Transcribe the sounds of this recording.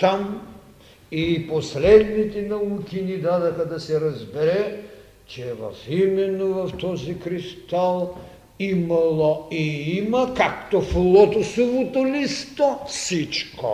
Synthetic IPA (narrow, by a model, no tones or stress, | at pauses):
t̪am | iposlɛd̪nit̪ɛnɐukinid̪ad̪ɐxad̪ɐsɛɾɐzbɛɾɛ | t͡ʃɛvɐ̰fimɛnːovɐft̪ɔzikɾist̪alˠ | imalˠoiimɐkakt̪ofulˠɔt̪osovot̪olist̪osit͡ʃko̰